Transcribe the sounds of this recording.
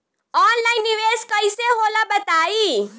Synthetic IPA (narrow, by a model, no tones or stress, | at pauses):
ɔːnlainːiʋeskəiseɦoːlabət̪aːi